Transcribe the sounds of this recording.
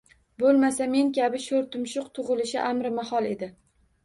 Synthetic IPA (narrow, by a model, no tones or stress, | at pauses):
bolˠmasame̞ŋkʲʰabɪʃoɾt̪ʊmʃʊqt̪ʰʊʁɨlɪʃɪʔamɾɪmahɒlˠe̞d̪ɪ